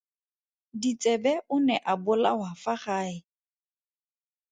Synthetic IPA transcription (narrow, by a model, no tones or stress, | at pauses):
dit͡sʼɛbɛʊnɛʔabʊlawafaχaːɪ